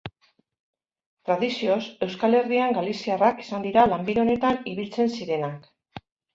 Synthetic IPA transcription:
t̪ɾaðisio̞se̞wskale̞ɾriaŋɡalisiaraki̥sand̪iɾalambiɾo̞ne̞t̪aniβilt͡se̞nsiɾe̞nak

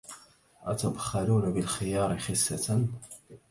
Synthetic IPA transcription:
ʔat̪ab̪xaluːnabɪlxɪjɑːɾˤɪxɪsːat̪n

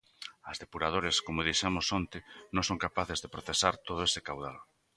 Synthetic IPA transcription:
ɐzðepuɾað̞oɾeskomʊðiʃɛmʊsont̪ɪnõŋsoŋkapaθɪzðepɾoθesaɾt̪oð̞ʊesekawðal

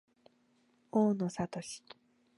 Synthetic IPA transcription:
oːnosat̪o̞ɕi̥

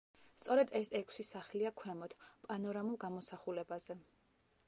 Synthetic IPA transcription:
st̪sʼɔɾɛd̪ɛsɛkʷʰsisaχliakʰwɛmɔt̪ʰpʼanɔɾamulˠɡamɔsaχulɛbazɛ

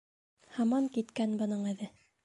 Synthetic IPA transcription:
hɑmɑŋkit̪kænbɤ̆nɤɴɘ̆ðɘ

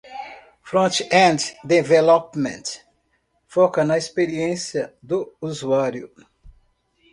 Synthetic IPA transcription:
fɾõt͡ʃɛ̃ndd̪evɛlopmḛ̃t̪ | fɔkɐnɐispeɾiẽsjɐd̪ʊuzuaɾjʊ

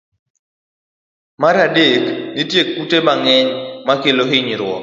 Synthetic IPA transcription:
maɾadeknitjekːutemaŋɛɲmakeloɦɪɲɾwɔ̰

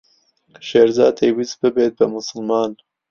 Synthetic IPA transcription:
ʃeːɾzɑːd̪̚t̪ʰejwisbɨbeːt̪̚bɐmʊsɨlmɑːn

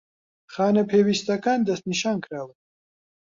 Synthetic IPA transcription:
χaːnɐpʰeːwist̪akaːnd̪ɐst̪niʃaːnkʰɾaːwə

